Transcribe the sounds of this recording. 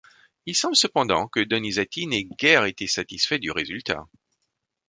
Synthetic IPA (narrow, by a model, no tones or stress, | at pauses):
ilsɑ̃bləsəpɑ̃d̪ɑ̰̃kəd̪ɔnizat̪inɛɡʲɛʁet̪esat̪isfɛd̪yʁezylt̪a̰